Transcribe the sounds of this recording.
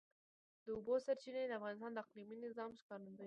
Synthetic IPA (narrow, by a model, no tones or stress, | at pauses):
d̪əʊbosaɾt͡ʃinad̪əafɣɑnɪs̬t̪ɑnd̪əaqliminɪzɑmʃkɑɾnəd̪a